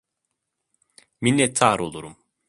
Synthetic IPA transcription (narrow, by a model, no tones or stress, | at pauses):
minːɛt̪ʰːaːɾolˠuɾum